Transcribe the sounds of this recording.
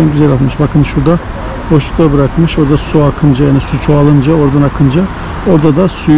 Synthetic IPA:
anɟʲyzɛlʲat̪ˠmɯʃbakʰɯnʃuɾd̪a | bo̞ʃlˠu̥kt̪ˠabɯɾakmɯʃo̞ɾd̪asuakʰɯnd͡ʒajaːnisut͡ʃʰoalˠɯnd͡ʒao̞ɾd̪anakʰɯnd͡ʒa | o̞ɾd̪ad̪asu

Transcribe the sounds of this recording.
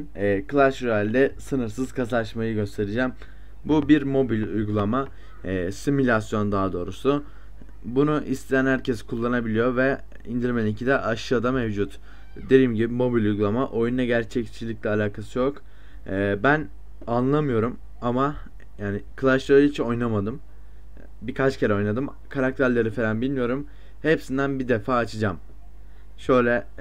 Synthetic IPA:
kʰɯlˠaʃɾualʲd̪ɛsɯnɯɾsɯz̥kʰasaaʃmajɯɟø̞st̪ʰe̞ɾid͡ʒaːm | bubiɾmo̞bilʲujɡulˠama | similʲasjo̞nd̪aːd̪o̞ːɾusu | bunuʔist̪ʰejænhæɾcʰɛskʰulˠːanabilʲijo̞ɾvɛ | ind̪iɾʲmenincʰid̪ɛʔaʃɯad̪amɛvd͡ʒut̪ | d̪e̞d̪iːmɟibimo̞bilʲujɡulˠamaʔo̞junˠaɟæɾt͡ʃʰɛct͡ʃʰilʲicʲlʲɛalʲaːkʰasɯjo̞kː | bæn | anlˠamɯjo̞ɾum | ama | jaːnɪkʰɯlˠaʃoit͡ʃʰio̞jnamad̪ɯm | bikʰat͡ʃcʰe̞ɾɛo̞jnad̪ɯm | kʰaɾak̚t̪ʰæɾlʲeɾifeɾanbilʲmijo̞ɾum | hepsind̪ænbid̪efaːt͡ʃʰɯd͡ʒam | ʃø̞jlʲɛ

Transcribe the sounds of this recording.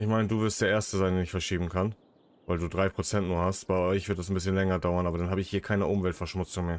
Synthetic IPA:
ɪçmaɪnəduːvɪɐstd̥eːɐʔeːɐstəzaɪndeːnɪçfɛɐʃiːbm̩kʰan | vaɪlduːdʁaɪpʁ̥ot͡sɛntnuːɐhastb̥aɪɔʏçv̥ɪɐtd̥asn̩bɪsçənlɛŋɐdaʊɐnʔaːbɐdanɦaːbəɪçhiːɐkʰaɪnəʔʊmvɛltfɛɐʃmʊt͡sʊŋmeːɐ

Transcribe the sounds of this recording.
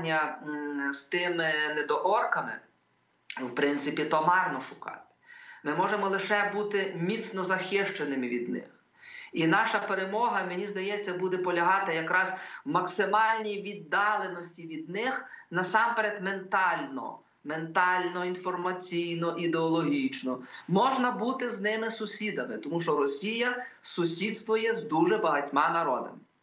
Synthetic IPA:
nʲːɐ | st̪ɪmɪned̪ɔʔɔrkɐmɪ̰ | wpɾɪnt̪sɪpʲit̪ɔmɑrnɔʃʊkɑ̰t̪ɪ̥mɪmɔʒemɔlˠɪʃɛbut̪ɪmʲit̪t͡ssnɔzɐxɪʃt͡ʃenɪmɪʋʲid̪nɪ̰x | inɑʃɐpeɾemɔɦɐmenʲizd̪ɐjɛt͡sʲːɐbud̪ɛpɔlʲɐɦɑt̪ɪjɐkɾɑz̥mɐksɪmɑlʲnʲijʋʲid̪ːɑlˠenɔsʲtʲiʋʲid̪nɪxnɐsɑmpeɾed̪ment̪ɑlʲnɔ̰ | ment̪ɑlʲnɔinfɔrmɐt͡sʲijnɔʔid̪eɔlˠɔɦʲit͡ʃnɔmɔʒnɐbut̪ɪznɪmɪsʊsʲid̪ɐmɪt̪ɔmuʃt͡ʃɔɾɔsʲijɐsʊsʲid̪st̪ʋʊjɛzd̪uʒɛbɐɦɐtʲmɑnɐɾɔd̪ɐ̰m

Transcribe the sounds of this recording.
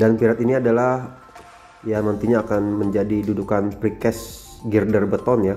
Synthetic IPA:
danpiɾat̪iniadalah | janant̪iɲaːkanməɲd͡ʒadidudukanpɾikɛsɡirdərbət̪ɔnja

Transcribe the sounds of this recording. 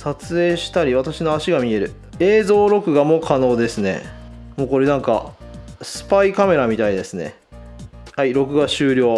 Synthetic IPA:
sat͡sɨe̞ːɕi̥t̪aɾʲiβ̞at̪aɕino̞aɕiɡamʲie̞ɾɯ̟ | e̞ːzo̞ːɾo̞kɯ̟ɡamo̞kʰano̞ːd̪e̞sɨne̞̰mo̞ːko̞ɾe̞nãŋka̰sɨ̥paikame̞ɾamʲit̪aid̪e̞sɨne̞̰ | haiɾo̞kɯ̟ɡaɕɨːɾʲo̞ː

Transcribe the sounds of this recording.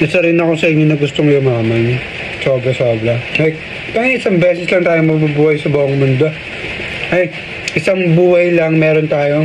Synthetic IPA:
nɐsɐɾinɐko̞sɐʔɪɲɲonɐɡʊst̪oŋʊjomaːmɐn | so̞ːbɾɐso̞ːbɾɐɐj | k̪ɐŋʔɪsɐŋbɛːsɛslɐŋt̪aːjoŋmɐɡbubuːhɐjsɐbaːʔoŋmʊnd̪o | ʔɐ | ʔɪsɐŋbuːhɐjlɐŋmɛːɾont̪aːjo̞

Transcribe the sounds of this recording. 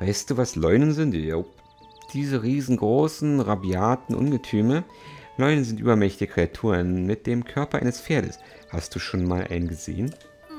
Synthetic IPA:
v̥aɪstd̥uːvaslɔʏnənzɪnt | d̥iːzəʁiːzn̩ɡʁoːsn̩ʁabjaːtn̩ʔʊ̰nɡətʰyːmə | lɔʏnənzɪntʔy̰ːbɐmɛçtɪçəkʁ̥eatʰuːʁnmɪt̚d̥eːmkʰœɐpɐʔa̰ɪnəsfeːɐɾə̰s | hast̚d̥uːʃoːnmaːlʔa̰ɪnənɡəzḛːən

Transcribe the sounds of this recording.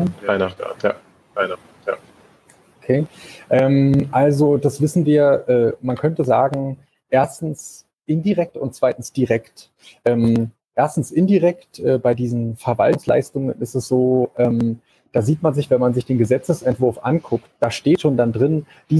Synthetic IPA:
aɪnaa̰tja | aɪna | ja̰ː | ʔokʰeːʔɛːmʔalzod̥asv̥ɪsn̩viːɐʔɛːmankʰœntəzaːɡŋ̩ | ʔeːɐstn̩s | ʔɪndiʁɛk̚tʊnt̚t͡sv̥aɪtn̩sd̥iʁɛkt | ʔɛːm | ʔeːɐstn̩sʔɪndiʁɛktʔɛːbaɪdiːzn̩fɛɐva̰ltʊŋsla̰ɪstʊŋənɪstɛsz̥oːʔɛːm | d̥aːziːtmanzɪçv̥ɛnmanzɪçd̥eːnɡəzɛt͡səsɛntv̥ʊɐfʔa̰nkʰʊktd̥aːʃteːtʃoːndandʁɪn | d̥iː

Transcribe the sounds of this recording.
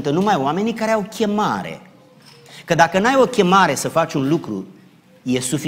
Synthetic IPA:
nt̪ənumajoame̞nikaɾeawkʲe̞maɾe̞̰ | kəd̪akənajo̞kʲe̞maɾe̞səfat͡ʃʲunlukɾṵ | je̞sufi

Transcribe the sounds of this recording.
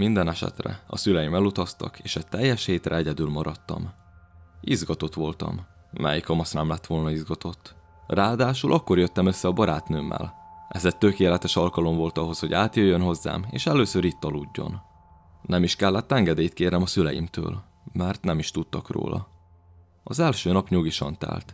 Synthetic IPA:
mind̪ɛnɛʃɛ̰t̪rɛ̰ɒ̰sylɛjimɛlut̪ɒst̪ɒ̰keːʃɛt̪ɛjːɛʃheːt̪rɛɛɟɛd̪ylmɒɾɒt̪ːɒ̰m | izɡɒt̪o̞t̪ʋo̞lt̪ɒ̰m | mɛ̰jikɒmɒsnɛmlɛt̪ːʋo̞lnɒizɡɒt̪ʰo̞t̪ː | raːd̪aːʃulʔɒkːo̞rjøt̪ːɛmø̞sːɛɒbɒɾaːt̪nøːmːɛ̰lʔɛzɛt̪ːø̞keːlɛt̪ɛʃɒlkɒlo̞mvo̞lt̪ɒɦo̞sho̞ɟaːt̪jøjːønɦo̞zːa̰ːmḛːʃɛløːsøɾiːt̪ːɒluːɟːo̞̰n | nɛmiʃkɛlːɛt̪ːɛŋɡɛd̪eːjit̪̚keːɾɛmɒsylɛjḭmt̪ø̰ːl | mɛrt̪nɛmiʃt̪ut̪ːɒkro̰ːlʔɒ̰ | ɒzɛlʃøːnɒpɲuɡiʃɒ̰nt̪ɛ̰lt̪

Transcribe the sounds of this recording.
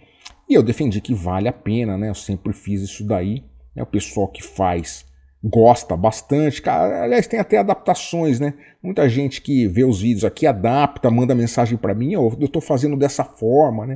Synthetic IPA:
ɪewd̪efẽnd͡ʒikɪva̰lɪapẽnɐnɛewsẽmpɾɪfizisʊd̪ainɛ̰ʊpesuawkɪ̥fajs | ɡɔst̪ɐbast̪ɐ̃t͡ʃɪ̥ka̰ɾɐ̰a̰liajst̪ẽj̃at̪ɛad̪ap̚t̪asõj̃snɛ | mũj̃t̪ɐʒẽnt͡ʃɪ̥kɪveʊzvid͡ʒɪʊzakiad̪apt̪ɐmɐ̃d̪ɐmẽsaʒẽj̃pɾɐmĩoewt̪owfazẽnd̪ʊd̪ɛsɐfɔɾmɐnɛ

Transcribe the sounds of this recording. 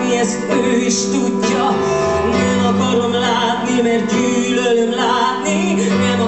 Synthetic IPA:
iɛst̪øiʃt̪uɟːɒ | nɛmɒkɒɾomlaːt̪nimɛrt̪̚ɟyːlølømlaːt̪ni | nɛmɒ

